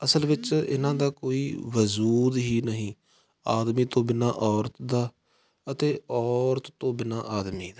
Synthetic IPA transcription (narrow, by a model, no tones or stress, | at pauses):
əsəlʋɪt͡ʃɪ̰nãːd̪aːkoːiːʋəzuːd̪ɦiːnəɦĩː | aːd̪miːt̪õːbɪnaːʔɔːɾət̪d̪aː | ət̪eːɔːɾt̪ːõːbɪna̰ːʔaːd̪miːd̪aː